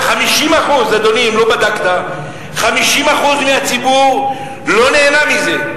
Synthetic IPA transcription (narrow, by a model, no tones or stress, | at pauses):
χamiʃimaχuzad̪o̞nimlo̞bad̪akt̪a | χamiʃimaχuzmeat͡sibuʁ | lo̞neːnamize̞